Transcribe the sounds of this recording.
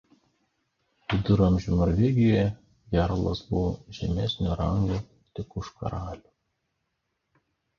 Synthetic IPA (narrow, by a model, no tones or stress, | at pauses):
ʋʲɪd̪ʊɾɐmʲʒʲunɔɾʲʋʲɛɡʲɪjoːjɛ | ɡʲæɾlˠɐsbʊʋɔʒʲɛmʲɛsʲnʲuɾɐŋɡu | t̪ʲɪkʊʃkɐ̰ɾɑːlʲuː